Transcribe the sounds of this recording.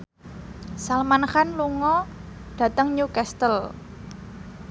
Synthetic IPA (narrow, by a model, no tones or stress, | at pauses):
salmanxanluŋɔ | d̥ä̤t̪əŋɲukɛst̪əl